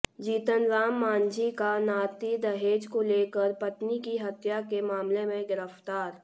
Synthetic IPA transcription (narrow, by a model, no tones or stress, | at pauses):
d͡ʒiːt̪ənzaːmːãːnd͡ʒikanaːt̪id̪ɐɦeːd͡ʒkoleːkəɾpɐt̪nikiɦɐt̪jakemaːmlemẽɡɪɾəft̪aːɾ